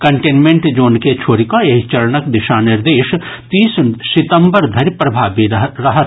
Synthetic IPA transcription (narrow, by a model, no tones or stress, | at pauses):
kɐɳʈeːnmẽɳʈd͡ʒoːnket͡ʃʰoːɾikoeɦt͡ʃɐɾnəkd̪ɪʃanɪɾd̪eːʃt̪iːssɪt̪ə̃mbəɾd̪ʱɐɾpɾɐbʱaːbiɾɐɦət̪